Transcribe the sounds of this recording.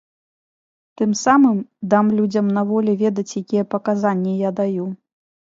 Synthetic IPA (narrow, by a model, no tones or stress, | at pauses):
t̪ɨmsamɨmd̪amlʲud͡zʲɐmnavɔlʲɛvʲɛd̪ɐt͡sʲjakʲijɛpɐkazanʲːɛjad̪aju